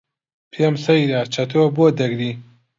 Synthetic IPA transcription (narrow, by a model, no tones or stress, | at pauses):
pʰemsɐjdaːt͡ʃʰɐt̪ʰoboːd̪ɐɡɾiː